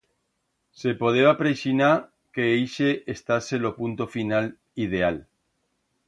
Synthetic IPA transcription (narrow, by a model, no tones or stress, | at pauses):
sepoðeapɾesina | keejʃeʔːst̪aselopunt̪ofinal | ið̞eal